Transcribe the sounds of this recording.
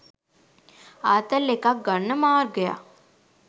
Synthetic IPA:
aːt̪əleːkaɡɐnːəmaːɾɡɐja̰ː

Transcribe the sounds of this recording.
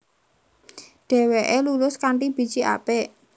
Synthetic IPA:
ɖ̥e̤weʔelulʊskaɳʈib̥i̤̥d͡ʒ̥iʔa̰pe

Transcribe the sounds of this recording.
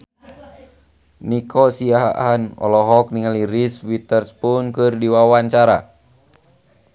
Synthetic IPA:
nikʰɔsiaɦa̰ʔanɔ̰lɔɦɔk̚niŋaliriswit̪ɛrspunkɨrdiwawant͡ʃaɾa

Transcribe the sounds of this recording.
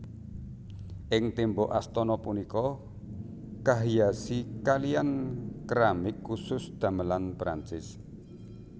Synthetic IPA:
ʔɪŋt̪emboʔast̪ɔnɔpunikɔ | kaɦijasikaliankɾamɪkːusʊsd̪̥ä̤məlanpɾant͡ʃɪs

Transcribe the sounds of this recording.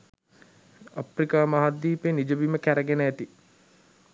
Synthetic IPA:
aprikaːmaɦad̪ːiːpenid͡ʒəbiməkæɾəɡenəæt̪i

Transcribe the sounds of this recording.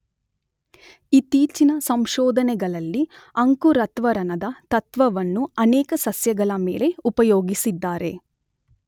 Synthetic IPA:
it̪iːt͡ʃinɐsɐmʃɔːd̪ʱɐnɛɡɐɭɐlːiɐŋkuɾɐt̪ʋɐɾɐnɐd̪ɐt̪ɐt̪ʋɐʋɐnːuɐnɛːkɐsɐsjɐɡɐɭɐmeːle̞upɐjoːɡisid̪ːaːɾe̞

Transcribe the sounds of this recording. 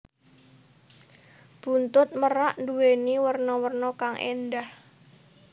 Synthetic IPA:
b̥unt̪ʊt̪̚məɾaʔnduweniwərnɔwərnɔkaŋʔḛnd̪ah

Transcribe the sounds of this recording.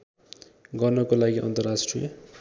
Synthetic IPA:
ɡʌrnʌkolaɡiʔʌ̰nt̪ʌrasʈrijʌ

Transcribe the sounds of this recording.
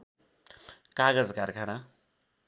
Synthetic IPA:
kaɡʌd͡zkarkʰana

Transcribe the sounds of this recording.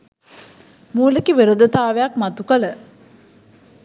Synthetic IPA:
muːlekiʋeɾud̪ət̪aːʋejakmat̪ukələ

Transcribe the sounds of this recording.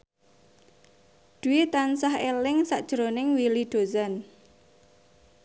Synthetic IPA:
ɖ̪̥uwit̪ansahelɪŋsaʔd̥ʒ̥ɾonɪŋwiliɖ̪̥o̤zan

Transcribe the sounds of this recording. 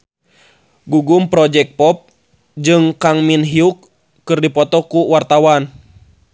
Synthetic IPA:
ɡuɡumpɾɔd͡ʒɛk̚pɔp̚ | d͡ʒɨŋkaŋminɦiukː | ɨrdipɔt̪ɔkuwart̪awan

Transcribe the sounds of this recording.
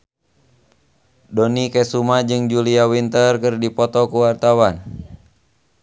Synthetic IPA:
dɔnikɛsumad͡ʒɨŋd͡ʒuliawint̪ərkɨrdipɔt̪ɔkuwart̪awan

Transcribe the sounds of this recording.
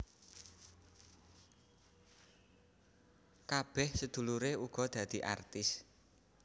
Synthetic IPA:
kab̥ɛhsəd̪̥ṳluɾeuɡ̥ɔ̤d̪̥ä̤d̪̥i̤ʔa̰rt̪ɪs

